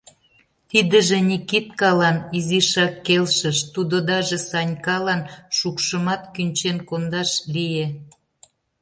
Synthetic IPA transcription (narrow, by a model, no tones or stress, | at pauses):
t̪id̪ə̆ʒĕnʲikit̪kɑlɑniziʃɑkːelʃə̆ʃt̪ud̪od̪ɑʒĕsɑnʲkɑlɑnʃukʃəmɑt̪kynʲt͡ɕenkond̪ɑʃlije